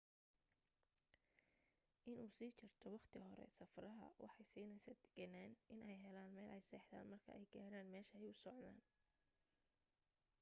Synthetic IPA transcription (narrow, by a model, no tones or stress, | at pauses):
ʔɪnuːsiːt͡ʃʰɪrt̪ʰɔwɑχt̪ʰɪɦɔɾɛ̰sɐfrɐɦɐ̰wɑ̰ħɑjsiːnɛjsɐːd̪̥ɛ̥ɡɐnaːnʔɪnʔɛjɦɛlaːnmɛːlʔɛjsɛːħd̪a̰ːnmɐrkʰɐ̰ɛjɡaːɾaːnmɛːʃɐɛjʊsɔʕna̰ːn